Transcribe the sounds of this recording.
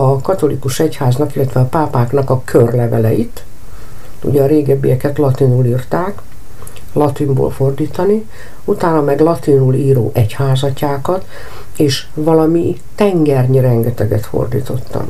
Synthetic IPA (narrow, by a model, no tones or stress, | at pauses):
ɒkɒt̪o̞likuʃɛchaːznɒkilːɛt̪ʋɛɒpaːpaːknɒkɒkʰørlɛvɛlɛjit̪ | ṵɟɛːɾeːɡɛbːijɛkɛt̪lɒt̪inuliːrt̪aːk | lɒt̪imbo̰ːlfo̞rd̪iːt̪ɒni | ut̪aːnɒmɛɡlɒt̪inuːliːɾo̰ːʔɛchaːzɒcaːkɒt̪ | eːʃ | ʋɒlɒmi | t̪ɛŋɡɛrɲiɾɛŋɡɛt̪ɛɡɛt̪fo̞̰rd̪ḭːt̪o̞̰t̪ːɒ̰m